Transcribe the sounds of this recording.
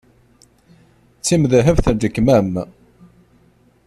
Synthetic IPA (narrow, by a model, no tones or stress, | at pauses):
t͡sːimðæɦəvθæd̪əkːmæm